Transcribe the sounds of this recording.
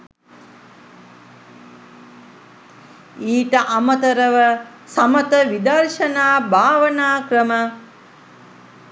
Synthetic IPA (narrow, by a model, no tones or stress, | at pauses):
iːʈəʔamət̪əɾəʋə | samət̪əʋid̪ɐrʂɐnaːbʱaːʋənaːkrəmə